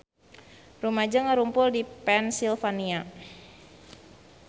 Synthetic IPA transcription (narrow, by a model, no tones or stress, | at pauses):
rumad͡ʒaŋaɾumpʊldipɛnsilfania